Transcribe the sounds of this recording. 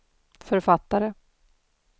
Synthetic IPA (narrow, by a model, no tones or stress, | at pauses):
fœɾfat̪ːaɾə